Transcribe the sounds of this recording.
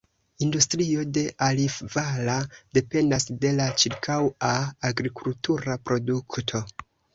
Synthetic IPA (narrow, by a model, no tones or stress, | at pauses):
industɾio̞de̞ʔalifvalade̞pe̞ndasde̞lat͡ʃiɾkʰawaːɡɾikultuɾapɾo̞duktʰo̞